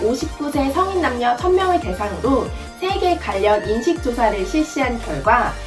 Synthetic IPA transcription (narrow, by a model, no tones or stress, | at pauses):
oɕʰip̚k͈usʰe̞sʰʌŋinːamɲʌt͡ɕʰʌnmjʌŋete̞sʰaŋɯɾo | sʰe̞ɡe̞kaʎːʌninɕʰik̚t͡ɕ͈osʰaɾɯɭɕʰiɭɕ͈iɦankjʌɭɡwa